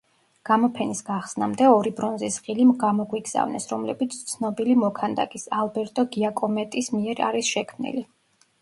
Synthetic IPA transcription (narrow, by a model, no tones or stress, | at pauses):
ɡ̥amɔpʰɛnisɡaχsnamd̪ɛɔɾibɾɔnzisʁilimɡamɔɡwiɡz̥a̰vnɛ̰sɾɔmlɛbit̪sʰt̪sʰnɔbilimɔkʰand̪a̰kʼisalˠbɛɾt̪ʼɔɡiakʼɔmɛt̪ʼismiɛɾa̰ɾisʃɛkʰmnḭli